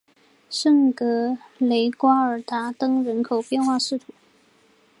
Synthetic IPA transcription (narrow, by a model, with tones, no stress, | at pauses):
ʂə˥˩ŋkɤ˧˥le˧˥ɪkwa˥ə˞˨˩t̪ʰa˧˥t̪ɤ˥ŋɻə˧˥nkʰo˨˩ʊpjɛ˥˧nxwa˥˧ʂɻ̩˥˩t̪ʰu˧˩˦